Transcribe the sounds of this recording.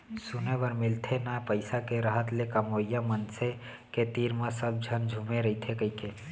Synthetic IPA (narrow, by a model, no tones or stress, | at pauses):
sʊneʋəɾmɪlt̪ʰenapəɪsakeɾəɦət̪lekəmoːjamənse | ket̪iːɾmãsəb̚d͡ʒʱənd͡ʒʱũmeɾəit̪ʰekəike